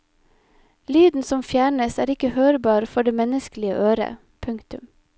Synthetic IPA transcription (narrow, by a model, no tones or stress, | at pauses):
lyːd̪n̩sɔmfjæːɳəsæːɾɪkəhøːɾbɑːɾfɔɖeːmɛnəsklɪəʔøːɾə̰ | pʰʉŋkt̪ʉm